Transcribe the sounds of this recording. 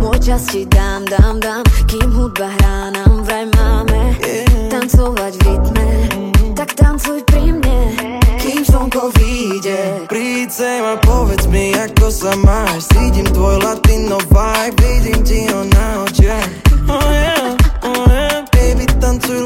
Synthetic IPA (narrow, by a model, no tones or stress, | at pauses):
mɔjt͡ʃascid̪aːmd̪amd̪amkimɦud̪baɦɾaːnamvɾajmaːmɛt̪ant͡sɔvaɟvit̪mɛt̪akt̪ant͡sujpɾimɲɛ | kiːmsɔmkɔviɟɛpɾit͡sɛmapɔvɛt͡smiakɔsamaːʃsiːɟimt̪ʋɔjlat̪inːɔvajbidimtiɦɔnaɔt͡ʃɛ | ɛɔkɛvit̪ant͡suj